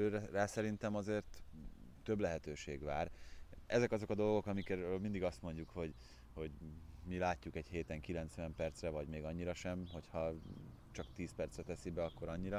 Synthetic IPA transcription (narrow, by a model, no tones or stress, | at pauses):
øːaːsɛɾint̪ɛmɒzeːrt̪ː | ø̞blɛɦɛt̪øːʃeːɡʋaːrɛzɛkɒzo̞kɒd̪o̞lɡo̞kɒmikɛølmind̪iɡɒst̪mo̞ɲɟukho̞ɟ | hoɟmilaːcːukɛɟheːt̪ɛŋkilɛnt̪sʋɛmpɛrt̪srɛvɒɟmeːɡɒɲːiɾɒʃɛmɦo̞chɒ | t͡ʃɒkt̪iːspɛrt̪srɛt̪ɛsibɛɒkːo̞ɾɒɲːiɾɒ